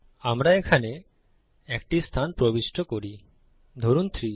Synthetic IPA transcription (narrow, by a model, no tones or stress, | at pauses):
amɾaekʰane | ɛkʈist̪ʰanpɾobisʈʰokoɾi | d̪ʱoɾunt̪ʰɾi